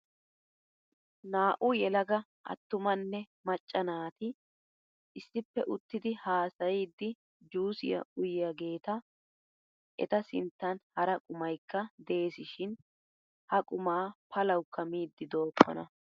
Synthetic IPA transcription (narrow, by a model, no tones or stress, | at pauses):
naːʔʊjɛlɐɡɐ | ʔɐ̰t̪ːʊmɐnːɛ | mɐt͡ʃʼːɐnaːt̪ɪ | ʔɪsːɪpːɛʔʊt̪ːɪd̪ɪhaːsɐjid̪ːɪ | d͡ʒuːsɪ̰jɐ̰ʔʊjɪjɐɡe̞ːt̪ɐ | ʔɛ̰t̪ɐsɪ̰nt̪ːɐnhɐɾɐkʼʊmɐjkːɐd̪eːsɪʃɪn | hɐkʼʊmaːpʰɐlɐwkːɐmiːd̪ːɪd̪o̞ːpʰːɔ̰nɐ